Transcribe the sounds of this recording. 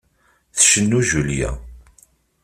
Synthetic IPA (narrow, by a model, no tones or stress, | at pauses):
θʃənːuʒuljæ̰